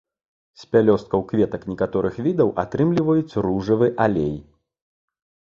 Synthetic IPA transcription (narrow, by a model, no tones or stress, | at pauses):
sʲpʲalʲɔst̪̚kɐwkvʲɛt̪ɐknʲɛkat̪ɔɾɨxvʲid̪ɐwʔa̰t̪ɾɨmlʲivɐjut͡sʲruʐɐvɨʔalʲej